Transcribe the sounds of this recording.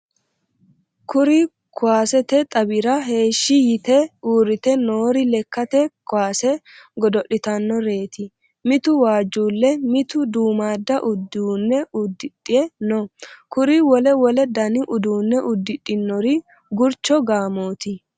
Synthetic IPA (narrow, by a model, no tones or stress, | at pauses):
kʊɾɪ | kʊwaːsɛt̪ɛt̪ʼɐbɪɾɐɦe̞ːʃːɪjɪt̪ɛuːɾɪt̪ɛnoːɾɪlɛkːɐt̪ɛkʊwaːsɛ | ɡɔd̪ɔʔɪt̪ɐnːɔɾe̞ːt̪ɪ | mɪt̪ʊwaːd͡ʒːuːlːɛmɪt̪ʊd̪uːmaːd̪ːɐʔʊd̪uːnːɛʊd̪ːɪtʼːɪɛnɔkʊɾɪwɔlɛwɔlɛd̪ɐnɪʔʊd̪uːnːɛʔʊd̪ːɪtʼːɪnːɔɾɪ | ɡʊɾt͡ʃːɔɡaːmo̞ːt̪ɪ